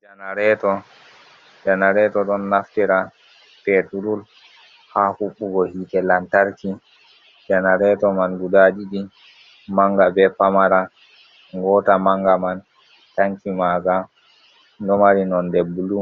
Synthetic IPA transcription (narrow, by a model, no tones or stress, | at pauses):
d͡ʒanaɾɛtɔ | d͡ʒanaɾɛtɔɗɔnːaftiɾa | pɛtuɾul | hahuɓːuɡɔhiːtɛlantaɾki | d͡ʒanaɾɛtɔmanɡudaɗiɗi | maŋɡabɛpamaɾa | ŋɡɔːtamaŋɡaman | taŋkimaɡa | ndɔmaɾinɔndɛbulu